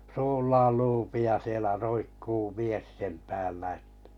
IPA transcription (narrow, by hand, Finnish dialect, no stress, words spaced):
suːlːɑːl luːpi jɑ sielæ roikːuː mies sem pæːlːæ ĕtːæ̥